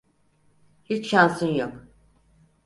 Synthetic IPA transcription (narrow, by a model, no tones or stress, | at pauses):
hit͡ʃʃansɯnjok